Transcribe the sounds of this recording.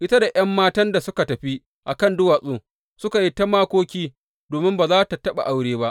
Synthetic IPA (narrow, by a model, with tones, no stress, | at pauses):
ʔɪ˦ta˦da˨ʔj̰ɐ˦mːaː˦tɐ˦nda˨sʊ˦ka˨tɐ˨ɸi˦ | ʔa˨kɐ˦˨ndʊ˦waː˨sʼoː˨ | sʊ˦ka˨ji˦ta˦maː˦kʷoː˦kʲiː˦ | doː˨mɪ˦mbaː˨zaː˦ta˨tɐ˦ɓa̰˨ʔa˦wɽeː˦ba˦ʔ